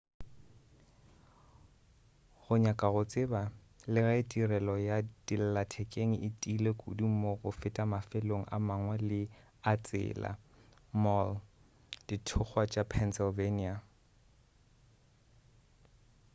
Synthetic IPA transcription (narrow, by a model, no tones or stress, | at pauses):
ɣʊɲakʼaɣʊt͡sʼɪba | lɪɣaɪtʼirɛlɔjadil̩latʰɛkʼeŋ̩ɪtʼilekʼʊ̰dim̩moɣʊfɪtʼamafɛloŋ̩ʔa̰maŋwalɪ | at͡sʼɪ̰ːla̰ | mɔl | d̥itʰʊk͡xʰwat͡ʃʼapʰɛnsɪlvenia